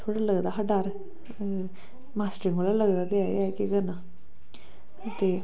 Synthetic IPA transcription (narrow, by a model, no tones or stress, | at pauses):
t̪ʰoɽaləɡd̪aɦəɖaɾ | masʈɾɪ̃ŋolaləɡd̪ad̪eajakeɡəna | t̪e